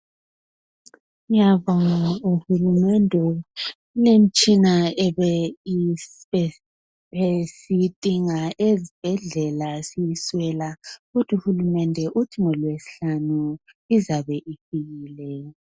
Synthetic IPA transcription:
ijaβɔŋaauhulumɛndʱɛ | ulem̩t͡ʃʼinaɛβɛ | e | βesitʼiŋaʔezib̥ʱɛɮɛlasijiswɛlaɣutʰuhulumɛndʱɛʔutʰiŋɔlwesi̥ɬanu | izaβɛʔifiɣiːlɛ

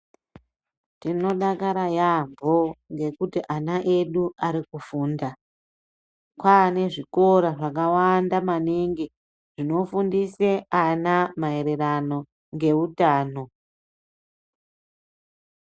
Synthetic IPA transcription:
tino̞ɗakaɾajambo̞ŋɡe̞kutiʔanaʔe̞ɗuaɾikufunda | kwane̞ʐiko̞ɾaʐakawandamaneŋɡe | ʐ̥ino̞fundiseanamae̞ɾe̞rano̞ | ŋɡe̞utaːno̞

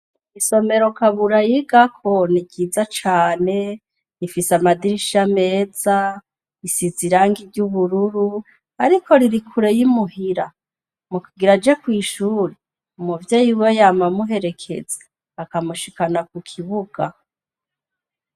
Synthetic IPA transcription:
iso̞me̞ɾo̞kaβuɾajiɡakʰo̞niɡizat͡ʃaːne̞ | nifisamadiɾiʃame̞ːza | isiziɾaːŋɡiɾɟuβuɾuɾu | aɾikʰo̞ɾiɾikʰuɾe̞jimuɦiɾa | mukuɡiɾad͡ʒekwiːʃuːɾe | umuvjeːjuwojaːmamuɦe̞ɾe̞kʰe̞̰ze̥ | akamuʃikanak̚ukʰiβuɡ̥a

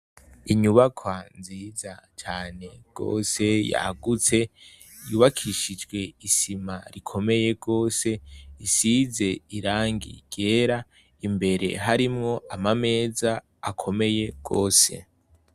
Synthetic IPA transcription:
iɲuβakʰwanziːzat͡ʃaːne̞ɡ̥o̞̰ːse̞ja̰ɡut͡se̞ | juːβakʰiʃid͡ʒɡwe̞isimaɾikʰo̞me̞je̞ɡ̥o̞ːse̞isize̞iɾaːŋɡḭɡ̥e̞ːɾa | imbe̞ɾe̞̰ɦaɾimŋo̞amame̞ːzaː | kʰo̞me̞je̞ɡ̥o̞̰ːse̞̰

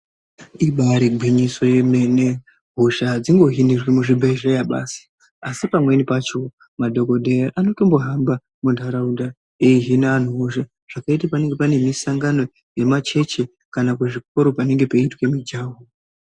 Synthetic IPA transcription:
iɓaɾiɡʱwiɲiso̞jemene | ɦoʃad͡ziŋɡo̞ɦinirwemuʐibʱaiʐajaɓa̰si̥ | asipamwe̞nipat͡ʃo̞ | madʱo̞ko̞dʱeaʔano̞to̞mbo̞ɦamba | mundʱaɾaunda | eiɦinaːn̤uɦoʃa | ʐ̥akaitapane̞ŋɡepane̞misaŋɡano̞ | je̞mat͡ʃe̞t͡ʃe̞ | kanakeʐik̚o̞ɾo̞pane̞ŋɡe̞peitwe̞mid͡ʒaːwo

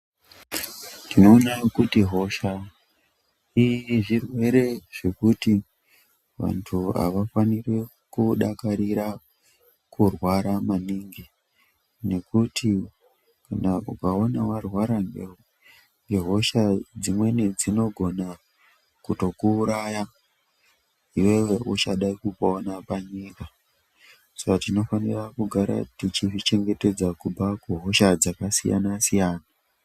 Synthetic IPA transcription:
nino̞ːnakutiɦo̞ʃa | iʐirwe̞ɾe̞ʐ̥e̞kuti | ʋa̰ntʰua̰ʋafanire | kuɗakaɾiɾa | kurwaɾamaniŋɡi | ne̞kutʰi | kanaukao̞nawarwaɾame | ŋɡeɦo̞ʃad͡zimwe̞ned͡zino̞ɡʱo̞na | kuto̞kuːɾaja | iwe̞we̞ʔut͡ʃaɗaikupaonapaɲiːka | sakatino̞fanirakuɡʱaɾa̰tit͡ʃiʐit͡ʃe̞ŋɡe̞te̞d͡zakubakuɦo̞ʃad͡zakasija̰nasijaːna

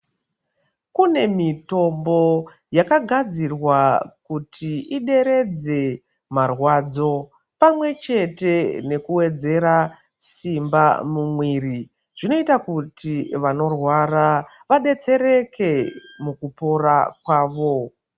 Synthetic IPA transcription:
kune̞mito̞mbo̞ | jakaɡʱad͡zirwakutʰiiɗe̞ɾe̞d͡ze̞ | marwad͡zo̞ | pamwe̞t͡ʃe̞te̞ne̞kuwe̞d͡ze̞ɾa | simbamumwiri | ʐ̥ino̞itakutiʋano̞rwara | ʋaɗe̞t͡se̞ɾe̞ke̞mukupo̞ɾakwaːʋo̞

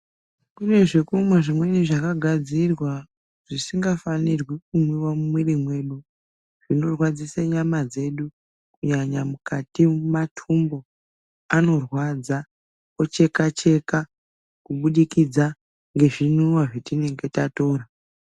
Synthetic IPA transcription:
kune̞ʐekumweʐimweniʐakaɡʱad͡zirwa | ʐ̥isiŋɡafanirwik̚umwiwamumwirimwe̞ɗu | ʐ̥ino̞rwad͡ziseɲamad͡ze̞ɗu | kuɲaɲamukatimatʰumbo̞ | ano̞rwad͡za | ot͡ʃe̞kat͡ʃe̞ka | kuɓuɗikid͡za | ŋɡe̞ʐinuwaʐotine̞ŋɡe̞tato̞ːra

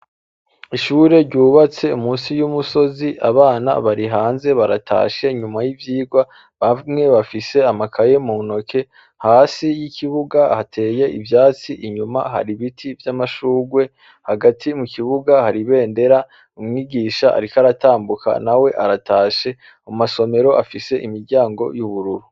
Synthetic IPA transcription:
iʃuːɾe̞ɾɟuːβat͡se̞umuːnsijumuso̞ziʔaβaːna̰βaɾiɦaːnze̞βaɾatʰa̰ːʃe̞iɲumajivjiːɡwa | βamŋe̞βafise̞amakʰaje̞muno̞kʰe̞ | haːsijiciβuɡahatʰe̞ːje̞ʔivjaːt͡siʔiɲuma̰ɦa̰ɾiβitʰivjamaʃuːɡwe̞ | haɡatʰimukiβuɡahaɾiβe̞ːnde̞ɾa | umŋiɡiːʃaʔa̰ɾikaɾataːmbukʰa̰nawe̞ʔaɾatʰaːʃe̞ | omaso̞me̞ɾo̞ʔafise̞ʔimiɾɟaːŋɡo̞̰juβuɾuɾu

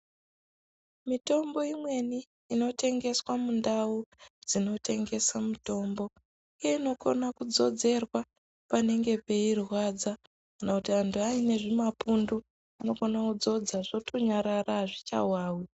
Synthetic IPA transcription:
mito̞mbo̞imwe̞ni | ino̞te̞ŋɡe̞swamundaud͡zino̞tʰe̞ŋɡe̞samuto̞mbo̞ | ije̞ino̞ko̰nakud͡zo̞d͡ze̞rwa | pane̞ŋɡe̞pe̞irwad͡za | kanakutiantʰuaine̞ʐimapundu | ano̞konakud͡zo̞d͡zaʐo̞tʰo̞ɲaɾaraʐit͡ʃa̰waːwi

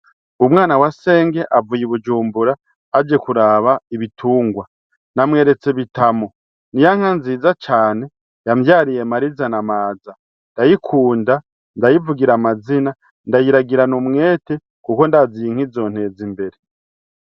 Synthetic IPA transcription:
umŋaːnawase̞ːŋɡe̞ʔavujiβud͡ʒuːmbuɾaː | d͡ʒe̞kuɾaːβaiβitʰuːŋɡwa | namŋe̞ːɾe̞t͡se̞βitamo̞ | nijaŋ̥anziːzat͡ʃaːne̞ | jamjaːɾije̞maɾizanamaːza | ndajikʰuːnda | ndajivuɡiɾamazina | ndajiɾaɡiɾanumŋe̞ːte̞ | kuko̞ndaziŋ̥izo̞n̥he̞zimbe̞ɾe

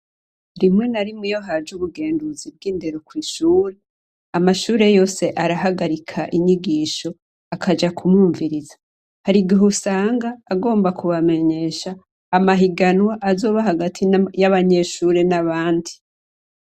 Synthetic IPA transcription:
ɾimŋe̞naɾimŋijoɦaːd͡ʒuβuɡe̞ːnduzib̚ɡiːnde̞ɾokwiːʃuːɾe | amaʃuːɾe̞jo̞ːse̞ʔaɾaɦaɡaɾikʰaʔiɲiɡiːʃo̞ | akʰad͡ʒakʰumuːɱviɾizḁ | haɾiɡiɦusaːŋɡaːɡo̞ːmbakuβame̞ɲe̞ʃaː | maɦiɡanwaʔazo̞ːβaɦaɡatʰijaβaɲe̞ʃuːɾe̞naβaːndi

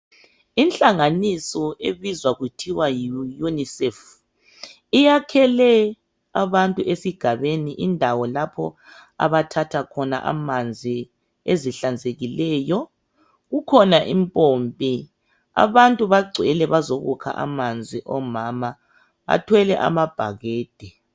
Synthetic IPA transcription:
inɬʼaŋanisɔḛβizwaɣutʰiwajunisɛf | ijakʰɛlɛ | aβantʼuʔesiɡ̥ʱaβeniʔindʱawɔlapʰɔ̰a̰βatʰatʰakʰɔna̰ʔa̰mand͡zʱi | eziɬand͡zʱeɣilɛːjɔ | ɣukʰɔnaʔimpʼompʼi | a̰βantʼuβaɡ͡ǀʱɛlɛβazoɣṵkʰa̰ʔa̰mand͡zʱiʔɔmama | a̰tʰwɛlɛʔa̰mab̥ʱaɣeːd̥ʱɛ

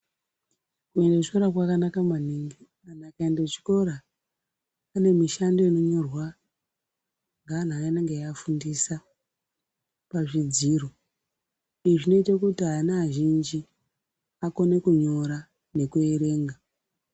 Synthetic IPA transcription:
kue̞ndet͡ʃi̥ko̞ɾakwakanakamaniŋɡi | anakaendet͡ʃi̥ko̞ɾa | ne̞miʃando̞ino̞ɲo̞rwa | ŋɡaːn̤aineŋɡejaːfundisa | paʐid͡ziːro | iiʐino̞itakutianaʒind͡ʒi | ako̞ne̞kuɲo̞ɾa | ne̞kue̞ɾe̞ːŋɡa

